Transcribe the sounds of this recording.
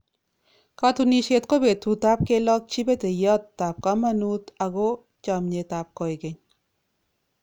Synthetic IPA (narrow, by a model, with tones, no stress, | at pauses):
ka˦tu˧ni˧ʃe˧tko˦be˨tu˨ta˦p̚ke˦lɔ˦k̚t͡ʃi˦be˦te˨jɔ˦tːa˨p̚ka˦ma˦nu˦ta˨ɡo˦ | t͡ʃa˨mɲe˨ta˨p̚kɔ˨i˨ke˨ɲ